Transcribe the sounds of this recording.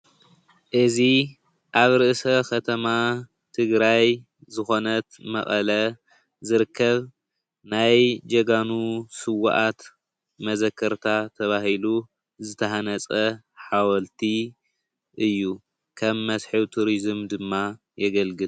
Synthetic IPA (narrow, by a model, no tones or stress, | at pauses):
ʔɨzi | ʔaβɾɨʔsɐkʰɐt̪ʰɐma | t̪ʰɨɡɾaj | zɨxo̞nɐt̪mɐ̰χʼɐlɐ | zɨɾɨkʰːɐβ | najd͡ʒɐɡanusɨwa̰ʔat̪ | mɐzɐkʰːɐɾt̪ʰat̪ʰɐβahilu | zɨt̪ʰɐhanɐt͡sʼɐ | ħawɐlt̪ʰi | ʔɨjːu | kʰɐmːɐsħiwt̪ʰuɾizɨmd̪ɨmːa | jɛɡɐlɡɨl